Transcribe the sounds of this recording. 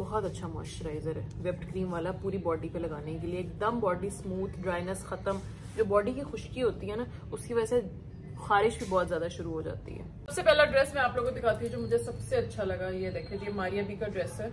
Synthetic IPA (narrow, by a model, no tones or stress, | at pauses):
bɔɦɔt̪ɐtːʃʰamɔ̰ːɛʃəɾaːɪzəɾɦɛːʋɛp̚ʈɡɾiːnʋaːlapuːɾibɔːɖipelɐɡaːnekelieːk̚d̪ɐmbɔːɖismuːt̪ʰɖɾaːɪnəsxɐt̪əm | d͡ʒoːbɔːɖikixʊʃkiɦoːt̪iɦɛna | ʊskiʋɐəse | xaːɾɪʃbʱibɔːt̪zjaːd̪aʃʊɾuɦod͡ʒa̰ːt̪ḭɦɛ̰ːsɐbsepɛːlaɖɾɛːsmɛ̃aːploːɡkod̪ɪkʰaːt̪eɛ̃d͡ʒoːmʊd͡ʒʱesɐbseɐtːʃʰalɐɡajɛd̪eːkʰed͡ʒiemaːɾiãbikaɖɾɛːsɦɛː